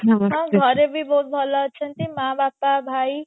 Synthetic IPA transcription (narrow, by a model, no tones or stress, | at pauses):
ɦaɦãɡʱəɾebʱibɔɦut̪̚bʱɔlɔt͡ʃʰənt̪imãːbaːpabʱaːi